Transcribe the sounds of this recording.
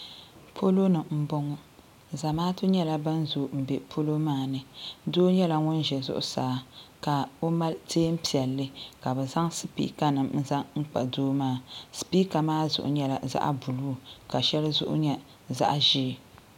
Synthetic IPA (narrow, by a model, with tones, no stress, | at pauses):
pʰo˦lo˦nɨ˨m̩˦bɔ˦ŋɔ˦ | za˨maː˦tʊ˦ɲɛ˦la˦ba˦nzo˨m̩˨be˨pʰo˦lo˦maː˦˨nɨ˨doː˦ɲɛ˦la˨ŋʊ˦n˦ʒɛ˨zʊ̰˦ʔʊ̰˦saː˨˦ka˨o˦ma˦lteː˦m̩˦pi˨ɛ˨lːɨ˦ka˨bɛ˨za˦ŋsɨ˦pḭ˦ka˦nɨ˨mn̩˦za˦ŋŋ͡m̩˦k͡pa̰˨doː˦maː˦˨sɨ̥˨piː˦ka˨maː˦zʊ̰˨ʔʊ̰˨ɲɛ˦la̰˨za̰˦ʔbu˨luː˦ka˨ʃɛ˦lɨ˦zʊ̰˦ʔʊ̰˦ɲɛ˦ | za̰˦ʔʒi˦˨